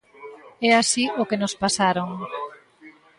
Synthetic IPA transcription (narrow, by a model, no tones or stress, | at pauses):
ɛasiokenospasaɾoŋ